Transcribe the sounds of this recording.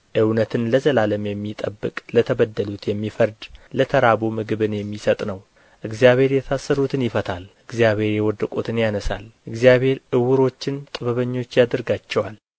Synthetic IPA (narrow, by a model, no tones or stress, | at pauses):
ʔɨwnət̪ʰɨnləzəlaləmjɛmːit̪ʼə̰bːɨ̰kʼlət̪ʰəbəd̪ːəlut̪jɛmːifəɾd̪lət̪ʰəɾabomɨɡɨβɨnjɛmːisət̪ʼnəw | ʔɨɡzijaβhe̞ɾjɛt̪ʰasːəɾut̪ʰɨnjɪfət̪ʰalʔɨɡzjaβe̞ɾjɛwɔd̪ːəkʼut̪ʰɨnjanəsa̰lʔɨɡzijaβhe̞ɾʔɨwɨɾo̞t͡ʃːɪnt̪ʼɨβəβəɲːo̞t͡ʃːjad̪ɨɾɡat͡ʃːɛwal